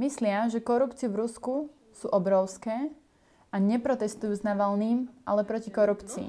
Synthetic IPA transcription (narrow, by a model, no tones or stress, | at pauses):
mislɪaʒɛkɔɾupt͡siuvɾusku | suːʔɔbɾɔʊskɛː | aɲɛpɾɔt̪ɛst̪ujuːznaʋalniːmʔa̰lɛpɾɔcikɔɾupt͡siḭ